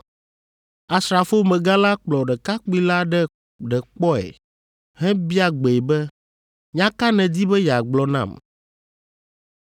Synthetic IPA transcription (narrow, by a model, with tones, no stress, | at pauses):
a˨sɾa˨fo˦mɛ̃˨ɡa˦la˦k͡plɔ˨ɖɛ˨ka˦k͡pi˦la˦ɖɛ˦ | ɖɛ˨k͡pɔ˦ɛ̰˨ | ɦɛ̃˦bi˦a˨ɡ͡be˨bɛ˦ | ɲã˦ka˦nɛ̃˨d̪i˦bɛ˦ja˨ɡ͡blɔ˨nã̰˦˨m